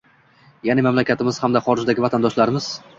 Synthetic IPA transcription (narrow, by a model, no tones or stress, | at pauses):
janɪmamlakʲat̪ɪmɪz̥hamd̪aχɒɾɪd͡ʒd̪aɡʲɪvat̪ʰand̪ɒʃlaɾɪmɪz̥